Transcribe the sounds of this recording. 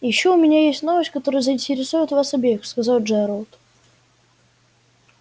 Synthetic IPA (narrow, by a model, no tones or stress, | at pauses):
jɪɕːoʊmʲɪnʲajesʲtʲno̞vəsʲtʲkɐt̪oɾʊjʊzəɪnʲtʲɪɾʲɪsujʊt̪vasɐbʲexskɐzɑlˠʐɛɾəlˠt̪